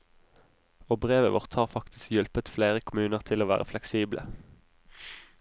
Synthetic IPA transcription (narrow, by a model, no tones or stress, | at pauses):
oːbʁeːʋəʋɔ̰ʁt̪ʰhɑːʁfɑkt̪ɪ̥skjʉlpət̪fleːʁəkʰʊmʉːnəʁt̪ʰɪloːʋæ̰ːʁəflɛksiːblə̰